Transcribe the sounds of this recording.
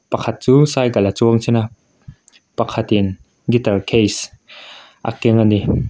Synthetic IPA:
pɐkʰɐt̪̚t͡suːsaːjkɐlat͡suəŋsʰɛna | pɐkʰɐt̪ɪn | ɡit̪ɐlkʰejs | ʔa̰kɛŋani

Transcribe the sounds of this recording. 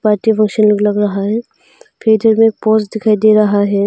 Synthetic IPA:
paːɾʈifʰɐ̃ŋkʃənlɐɡlɐɡɾɐɦaɦɛː | pʰeːd̪əɾmẽpoːsd̪ɪkʰaːid̪eːɾɐɦaɦɛː

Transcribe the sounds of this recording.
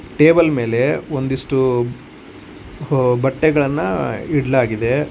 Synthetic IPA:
ʈe̞ːbɐlme̞ːle̞ond̪iʂʈu | bɐʈːɛɡɐɭɐnːɐiɽlaːɡid̪e̞

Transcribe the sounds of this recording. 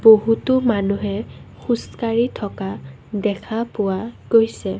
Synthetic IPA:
boɦutʊmanuɦɛxuskaɹitʰɔka | dɛkʰapʊwaɡ̥ojsɛ

